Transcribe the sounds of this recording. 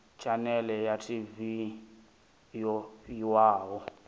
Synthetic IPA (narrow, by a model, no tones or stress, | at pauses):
t͡ʃʼanɛlɛjatʰʼivi | jɔiwaːwɔ